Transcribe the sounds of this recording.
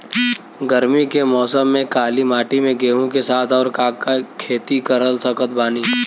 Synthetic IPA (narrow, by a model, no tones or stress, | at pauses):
ɡəɾmikemɔːsəmːẽkaːlimaːʈimẽɡeːɦõkesaːt̪ʰɔːɾkaːkakʰeːt̪ikɐɾəlsɐkʰət̪̚baːniː